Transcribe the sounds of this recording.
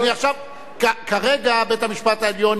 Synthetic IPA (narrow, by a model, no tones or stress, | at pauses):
niaχʃav | kakaʁeɡabetamiʃpataeljo̞n